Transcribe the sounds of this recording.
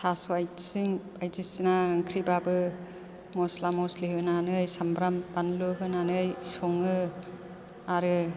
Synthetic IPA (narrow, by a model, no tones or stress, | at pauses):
tʰaswajsiŋbajzisinaɯŋkʰɾibabɯ | mɔslamɔsliɦɯnanɯjsambɾampanlɯɦɯnanɯjsɔŋɯ | aɾɯ